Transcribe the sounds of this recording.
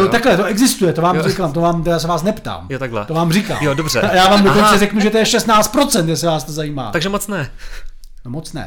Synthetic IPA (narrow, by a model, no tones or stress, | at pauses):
not̪aklɛt̪oʔɛɡzɪst̪ujɛt̪ovaːmzɛkamt̪ovaːmt̪ɛjas̬ɛvaːsnɛpt̪a̰ːmjot̪aɡlɛ̰t̪ovaːmrika̰ːjodobrɛ̰jaːvaːmdokont͡sɛrɛknuʒɛt̪ojɛʃɛst̪naːt͡st̪pɾo̞t͡sɛnt̪jasɪvaːst̪ozajiːma̰ːt̪aɡʒɛmot͡snɛ | nomot͡snɛ̰